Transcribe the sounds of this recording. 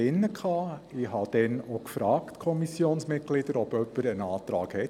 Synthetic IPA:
ɪnːəkχɑːɪhɑd̥ɛnokfɾɑːktkʰɔmisjoːnsmɪt̚ɡ̥lid̥əɾɔbœpːəɾənɑːtɾɑ̰ːkhɛt

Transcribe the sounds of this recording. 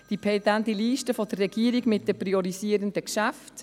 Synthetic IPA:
d̥ipʰɛtantiliːʃtəfɔd̪ərːɛɡ̥iːəɾiɡmɪt̚dəpriɔɾisiːəɾəndəkʃæft

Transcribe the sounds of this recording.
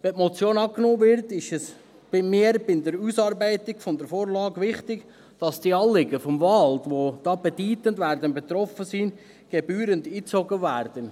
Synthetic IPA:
ʋɛtmɔt͡sjoːnɑːknoːvɪɾtɪʃɛs | b̥ɪmiəɾbɪnd̪əɾuːsɑːɾbɛɪtɪɡfɔnd̪əɾfoːɾlɑːɡʋɪχtɪɡ | d̥ɑsd̥iɑːlɪɡəfɔmvɑldʋod̪̥ɑːb̥ɛd̥yːt̪əndʋæːɾd̪ənbɛt̪ɾɔfəsin | ɡ̥ɛbyːɾəndiːt͡soɡəværd̥ən

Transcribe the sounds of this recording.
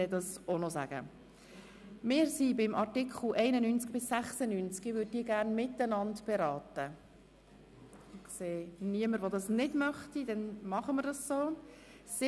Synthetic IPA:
ɛdɑsonɔsæ̰ɡ̥ə̰ | mɪːɾsibɪmʔɑɾtɪkʰχl̩ʔɛɪnənynt͡sk̚b̥ɪsːæχsənynt͡skɪvøːd̚diːəɡæːrnmɪtːənɑntb̥ɛɾɑːtə | ɪseːniəməɾʋodɑsnɪdmœχtidɛnmɑχəməɾdɑssoː | sɪ

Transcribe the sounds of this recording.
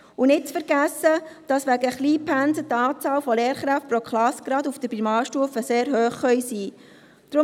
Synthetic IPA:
unɪt̚t͡sfəɾɡæsːəd̥ɑsʋæɡəχliːpʰænsət̪ɑːt͡sɑːlfɔleːɾχɾæft̚pɾokχlɑskɾɑduft̪əpimɑːʃtuəfəseːɾɦøːχχœʏjsiː | d̪̥ɾʊ

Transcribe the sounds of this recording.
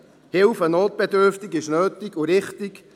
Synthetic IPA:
hɪlfənoːt̚b̥ɛdʏɾftɪkɪʃnøːtɪɡuɾɪχtɪk

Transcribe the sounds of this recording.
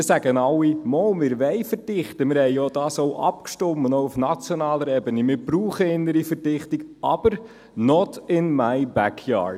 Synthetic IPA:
ɪsæɡ̥ənɑlːimɔːlmɪːɾʋɛɪfəɾd̥ɪχtəmɪːɾhɛɪjɔːd̥ɑːsoʊʔɑ̰pkʃtʊmːənoʊufnɑt͡sjɔnɑːləɾɛbənəmɪːɾb̥ɾuːχəɪnːəɾifəɾdɪχtiɡɑb̥əɾ | nɔtɪnmaɪjbækʰjɑ̰ːɾd

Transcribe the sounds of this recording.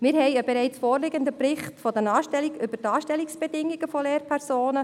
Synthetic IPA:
mɪːɾɦɛɪəbɛɾɛɪt͡sfoːrlɪɡənd̪əpɾɪχtfɔd̪ənɑːʃtɛliɡʏbəɾtɑːʃtɛliksb̥ɛdɪŋːiɡ̥əfɔleːɾpʰɛɾsoːnə

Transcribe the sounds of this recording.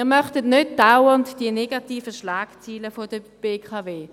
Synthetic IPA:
iːʁmœχtətnøt̚d̥awəntd̥iəneɡatiːfəʃlaːkt͡siːləfodə | b̥eːkʰɑːveː

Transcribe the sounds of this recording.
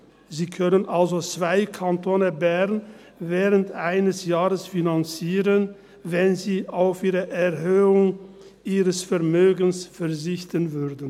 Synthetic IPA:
ziːkʰœnənʔalzot͡sv̥aɪkʰantʰoːnəbɛʁn | vɛːʁəntʔaɪnəsjaːʁəsfinant͡siːʁən | vɛnziːʔaʊfʔiːʁəʔɛɐhøːʊŋ | ʔiːʁəsfɛɐmøːɡənsfɛɐzɪçtənvʏɐdn̩

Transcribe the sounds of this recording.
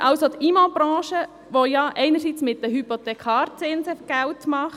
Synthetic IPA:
ʔɑwsot̪iːmɑb̥ɾɑ̃ːʃə | ʋojɑʔɛɪnəɾsit͡smɪt̚d̥əɦypot̪ɛkʰɑːɾt͡sɪnsəɡ̥æwtmɑχ

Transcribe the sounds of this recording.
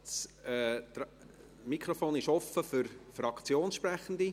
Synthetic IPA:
s | t̪ | mikʰɾɔfoːnɪʃɔfəfʏɾfɾɑkt͡sjoːnsʃpɾæχənd̪i

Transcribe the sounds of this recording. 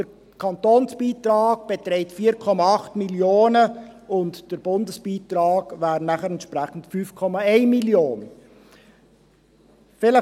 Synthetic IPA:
d̥əɾ | kʰɑntoːnsb̥iːtɾɑːɡb̥etɾɛɪtfiːɾkʰɔmɑɑχtmiljoːnəʊntd̥əɾb̥ʊndəsb̥iːtɾɑːɡ̥væːɾnæχəɾɛntʃpɾɛχn̩tfyːfkʰɔmɑɛɪnmiljoːnə | fɪlə

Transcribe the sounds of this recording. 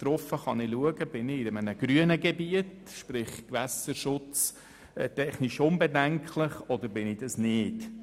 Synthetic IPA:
t̪ɾɔfəχɑnɪluəɡəb̥ɪnɪɪəmənəɡ̥ɾyənəɡebiət | ʃpɾɪχkʋæsəɾʃʊt͡sː | tɛχniʃʊnbɛdæŋkʰlɪχɔd̪əɾbɪnɪd̥̪ɑsnɪːt

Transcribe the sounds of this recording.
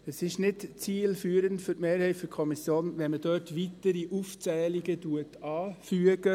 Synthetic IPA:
əsɪʃnɪtt͡siːlfyːɾəntfʏtmeːɾhɛɪtføkʰɔmisjoːnʋɛnmədœːtʋitəɾiʔuft͡sɛːliɡətuətɑːfyəɡ̥ə

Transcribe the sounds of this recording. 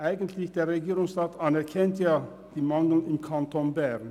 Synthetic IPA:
ʔaɪɡən̩tʰlɪçd̥eːɐʁeɡiːʁʊŋsʁɑːtʰɑnɛkʰɛntʰjɑː | d̥iːmɑŋdl̩ɪmkʰɑntʰonbæʁn

